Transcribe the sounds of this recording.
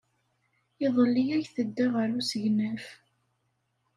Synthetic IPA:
ɪðˤəlːijæçθəd̪ːaʁəɾusəʝnæf

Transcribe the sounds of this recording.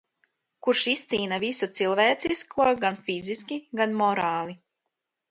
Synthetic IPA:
kuɾʃist̪siːnavisut̪silˠvɛːt̪siskʰuɔɡanfiziskʲiɡanmɔɾaːlˠi

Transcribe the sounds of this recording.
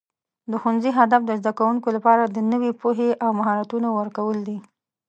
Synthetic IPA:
d̪əxunziɦad̪afd̪əzd̪akawuŋkolapɑɾad̪ənəwepoɦeʔawmaɦɑɾat̪unowəɾkawəld̪i

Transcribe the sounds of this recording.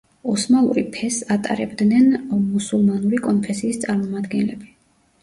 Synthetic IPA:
ɔsmalˠṵɾipʰɛsat̪ʼa̰ɾɛ̰bd̪nɛnmusulˠmanuɾikʼɔnpʰɛsiːst̪sʼaɾmɔmad̪ɡɛnlɛbi

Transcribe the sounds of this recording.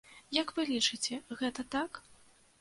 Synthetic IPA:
jɐkvɨlʲit͡ʂɨt͡sʲɛɣɛt̪ɐt̪ak

